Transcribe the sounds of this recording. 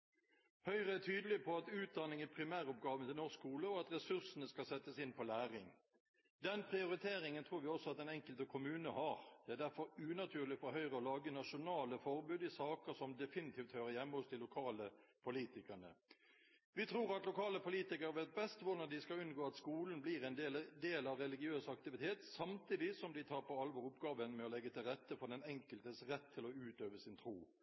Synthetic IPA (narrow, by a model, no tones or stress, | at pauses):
hœʏʁəæt̪ʰyːd̪əlɪpʰɔɑt̪ʉːt̪̚d̪ɑnɪŋæpʰɾɪmæːʁʊp̚ɡɑːʋənt̪ʰɪlnoːskuːləɔɑt̪ʁɛsʉʁsənəskɑsɛt̪ːəsɪnpʰɔlæːʁɪŋ | d̪ɛnpʰʁɪʊɾɪt̪ʰeːɾɪŋənt̪ʰʁuːɾʋɪɔsːɔɑt̪d̪ɛnɛŋkəlt̪əkʰʊmʉːnəhɑʁd̪̥ɛæd̪æɾfɔɾʉnɑt̪ʰʉːʁlɪfɔɦœʏʁəɔlɑːɡənɑʃʊnɑːləfɔʁbʉːd̪ɪsɑːkəsɔmd̪ɛfɪnɪt̪ʰiːft̪høːɾəjɛmːəɔst̪ʰɪlʊkʰɑːləpʰʊliːt̪ɪkəʁnə̰ | ʋɪt̪ʰɾuːɾɑt̪lʊkʰɑːləpʊliːt̪ɪkəɾəʋæt̪̚bɛst̪ʋʊd̪ɑd̪ɪskɑʉnɡoːɑt̪skuːln̩bliɾɛnd̪eːld̪eːlɑʋɾɛlɪɡɪøːsɑkt̪ɪʋɪt̪ʰeːt̪sɑmt̪ʰiːd̪ɪsɔmd̪ɪt̪ʰɑːɾpɔɑlʋɔɾʊpɡɑːʋənmɛɔlɛɡːət̪ʰɪlʁɛt̪ːəfɔd̪ɛnɛŋkəlt̪əsʁɛt̪ʰːɪlɔʉːt̪øːʋəsɪnt̪ʰɾuː